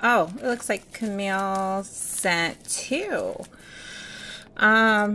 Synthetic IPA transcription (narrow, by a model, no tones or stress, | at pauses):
ʔoʊɪtˡlʊkslaɪkʰɨmilˠsæ̃ntʰʉ | ʔʌ̃m